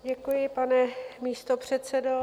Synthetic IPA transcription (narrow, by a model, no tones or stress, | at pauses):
ɟɛkujɪpanɛmiːst̪opr̝̥ɛt̪sɛdo